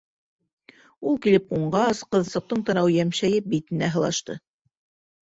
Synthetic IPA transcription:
ulˠkilɘp̚quɴɢɑsqɤ̆ðsɤ̆q̚t̪ɤɴt̪ɑ̆ɾɑwjæmʃæjɘp̚bit̪ɘ̆næɦɤ̆lˠɑ̰ʃt̪ɤ̰

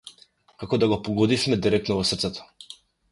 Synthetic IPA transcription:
kakɔd̪aɡɔpɔɡɔd̪ifmɛd̪iɾɛk̚t̪nɔvɔsr̩t̪sɛt̪ɔ̥

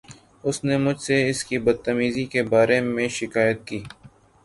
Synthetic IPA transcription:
ʊsnemʊd͡ʒʱseɪskibɐd̪̚t̪əmiːzikebaːɾemẽʃɪkaːjət̪̚kiː

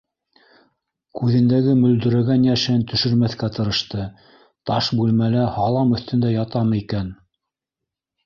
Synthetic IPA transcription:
kʉðɘ̆nd̪æɡɘmɵ̆ld̪ɵ̆ɾæɡænjæʃɘnt̪ɵ̆ʃɵ̆ɾmæθkæt̪ɤ̆ɾɤ̆ʃt̪ɤ | t̪ɑʃbʉlmælæhɑlˠɑmɵ̆θt̪ɵ̆nd̪æjɑt̪ɑmɤikæn

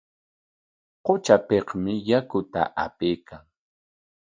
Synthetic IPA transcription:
qot͡ʃapeqmɪjakʊt̪a̰ʔapejkʰaŋ

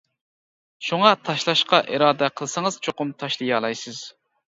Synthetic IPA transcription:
ʃuŋɑt̪ʰɑʃlˠɑʃqɑʔiɾɑːd̪ɛqʰəlˠsɨŋəz̥t͡ʃʰoqʊmt̪ʰɑʃlˠɨjɑːlˠɑjsɨz̥

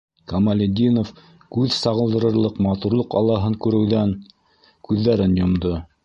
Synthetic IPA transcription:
kɐmalʲɪd̪ʲinof | kʉðsɑʁɤ̆lˠd̪ɤ̆ɾɤ̆ɾlˠɤqmɑt̪uɾlˠoqɑlˠːɑɦɤŋkʉɾɘ̆wðæn | kʉðːæɾɘnjŏmd̪ɤ

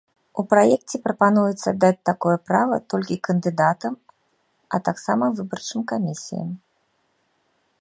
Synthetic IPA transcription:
upɾajɛk̚t͡sʲɛpɾɐpanujɛt̪sɐd̪at͡sʲt̪akɔjɛpɾavɐt̪ɔlʲkʲikɐnd̪ɨd̪at̪ɐm | ɐt̪aksamɐvɨbɐrt͡ʂɨmkamʲisʲḭjɐ̰m

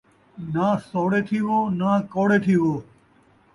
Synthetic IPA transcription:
naːsoːɽeːt̪ʰiːʋoːnaːkoːɽeːt̪ʰiːʋoː

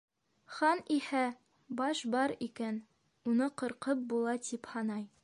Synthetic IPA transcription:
χɑnihæ | bɑʃbɑɾikæn | unɤqŏɾqɤp̚bulˠɑt̪iphɑnɑj

